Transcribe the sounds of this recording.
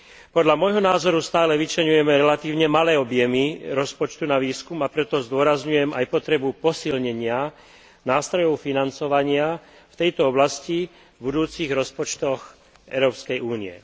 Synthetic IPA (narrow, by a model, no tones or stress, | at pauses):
pɔd̪ʎamɔjɦɔnaːzɔɾust̪aːlɛʋit͡ʃlɛɲujɛmɛɾɛlat̪iːʊɲɛmalɛːɔbjɛmiɾɔspɔt͡ʃt̪unaʋiːskumapɾɛt̪ɔzd̪ʊɔɾazɲujɛmajpɔt̪ɾɛbupɔsilɲɛɲɪa | naːst̪ɾɔjɔʊfinant͡sɔʋaɲɪa | ft̪ɛjt̪ɔɔblasci | bud̪uːt͡siɣɾɔspɔt͡ʃt̪ɔx | ʔɛ̰ʊɾɔːpskɛjʔuːniɛ̰